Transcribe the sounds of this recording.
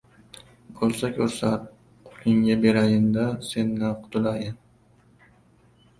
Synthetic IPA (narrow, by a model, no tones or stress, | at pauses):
bʰolˠsakʲʰɵɾsat̪̚ | qʰʊ̥lɪŋɡʲabeɾajɪnd̪ase̞nːaqʰʊ̥t̪ʰʊlajɪn